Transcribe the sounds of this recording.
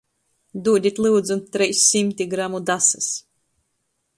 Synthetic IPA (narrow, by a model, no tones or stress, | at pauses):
d̪uɔd̪ʲit̪ʲlˠɨwd̪zunt̪ːɾɛjsːimʲt̪ʲiɡɾamud̪asɨs